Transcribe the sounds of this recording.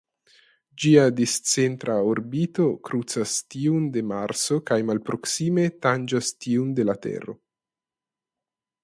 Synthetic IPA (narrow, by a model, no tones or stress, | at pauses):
d͡ʒiad̪ist͡sent̪ɾʔaoɾbit̪okɾut͡sast̪iund̪emaɾsokajmalpɾoksimet̪and͡ʒast̪iund̪elat̪ḛro̰